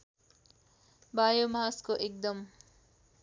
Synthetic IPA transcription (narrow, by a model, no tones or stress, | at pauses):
baːjomaɦaskoʔek̚d̪ʌm